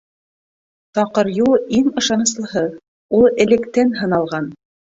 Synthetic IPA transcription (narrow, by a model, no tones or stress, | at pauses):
t̪ɑqɤ̆ɾjulˠiŋɤ̆ʃɑnɤ̆s̬lˠɤ̆ɦɤð | ulˠɘ̆lɘ̆kt̪ænɦɤ̆nɑlˠʁɑn